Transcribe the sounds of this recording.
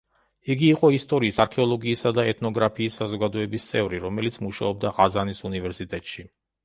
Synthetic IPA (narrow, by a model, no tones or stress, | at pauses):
iɡiːqʼɔist̪ʼɔɾiːsaɾkʰɛɔlˠɔɡiːsad̪aɛt̪ʰnɔɡɾapʰiːsːazɔɡad̪ɔɛbist̪sʼɛvɾiɾɔmɛlit̪sʰmuʃa̰ɔb̚d̪aʁazanisunivɛɾsit̪ʼɛt̪ʼʃi